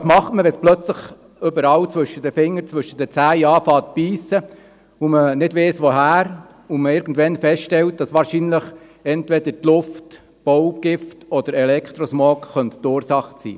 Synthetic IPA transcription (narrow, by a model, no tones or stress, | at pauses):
smɑχtməʋɛsplœt͡sləχ | ʏbəɾɑwt͡sʋɵʃəd̥əfɪŋːəɾt͡sʋʏʃəd̥ət͡sæːjɑːfɑːt̚piːsə | ʊmənɪdʋeːsʋoɦæːɾ | uməɪɾɡ̥n̩dʋɛnfɛstʃtɛlt̚d̥ɑsʋɑːɾʃinləχ | ɛntʋɛd̥ətlʊft | b̥ɔʊbɡ̥ɪftɔd̥̪əɾɛlɛkʰt̪ɾɔsmɔːkχœnttʊːɾsɑχtsḭː